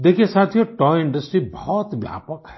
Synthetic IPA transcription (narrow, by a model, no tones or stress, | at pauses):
d̪eːkʰiesaːt̪ʰijoʈɔɪ̃ɳɖəsʈɾibɔɔt̪ʋja̰ːpəkɦɛ